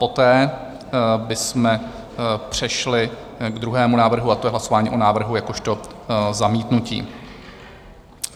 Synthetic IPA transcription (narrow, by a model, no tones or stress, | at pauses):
po̞t̪ɛː | bɪsmɛ | pr̝̥ɛʃlɪ | ɡd̪ɾuɦɛːmunaːvr̩ɦuat̪ojɛɦlaso̞vaːɲiːʔo̞naːvr̩ɦujako̞ʃt̪o̞zamiːt̪nucḭː